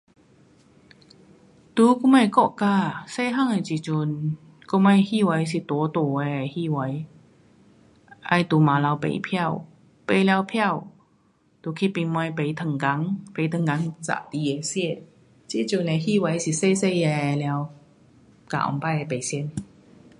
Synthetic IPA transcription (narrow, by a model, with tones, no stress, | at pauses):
t̪u˧˦ku˧˥ma˧˩kɔ˧˨ʔka˧˨se˥˧ɦa˥˨ŋe˨˩t͡ɕi˨t͡ɕu˨˧˩n | ku˧˥ma˧jhi˥˧wa˨˧˦js̬i˨˩t̪u˨˦t̪o˨˩ɛ˧˨˩hi˥˧˨wa˨˦j | ʔa̰˧jt̪u˨˩mã˨˦la˧wpḛ˧˩jpʰja˥˩˨w | pe˧jlja˧wpʰja˥˧˨w | t̪u˨˩kʰi˧˥pi˧nmwa˧jpe˨˧jt̪ʰə˨˩ŋka˨˦ŋpe˨˧˦t̪ʰə˨ŋka˨˦ŋt͡sa̰˧˨t̪i˧e˨˩sɛ˥˧˩ | t͡ɕi˧˥t͡ɕu˨˩˨nɛ˨˩hi˥˨wa˨˦jsi˨˩se˥˧˨se˥˧jɛ˧˨lja˧w | ka̰˧˨ʔɔ̰˧˨ŋpa˧je˨˧˩pe˨˩jsɛ˧˨n